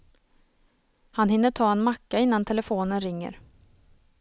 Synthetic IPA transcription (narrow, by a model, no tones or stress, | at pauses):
hanhɪnːəʈʰɑːɛnmakːaɪnːant̪ʰɛlɛfoːnənɾɪŋːə̰ɾ